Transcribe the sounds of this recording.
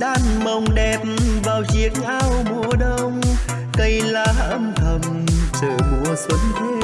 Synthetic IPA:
ɗaː˧˩nmə˨˩wŋ͡mɗɛ˨˩p̚mvaː˨˩wzi˨˩ək̚ɲʔaː˧˩wɓu˧˩əɗə˧wŋ͡m | kə˧˩jlaː˧˩haːə˧˩mt̪ʰə˨˧˩m | t͡ɕəː˧˩ɓu˧˩˨əswə˨˦nt̪ʰe˦˧

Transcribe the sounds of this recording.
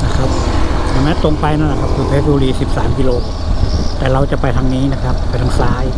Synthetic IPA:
na˦˥˩kʰa˦˥p̚t̪ʰːŋmɛː˦˥t̪o˧ŋpa˧jna˦˥˩nla˨˩kʰa˦˥p̚kʰɯː˧pʰeː˦˥t̪̚bo˧ɾiː˧si˨˩p̚saː˩˦mkiː˧loː˧ | t̪ɛː˨˩ɾa˧wt͡ɕa˨˩pa˧jt̪ʰa˧ŋniː˦˥na˦˥kʰa˦˥pːa˧jt̪ʰaː˧ŋsaː˧˥j

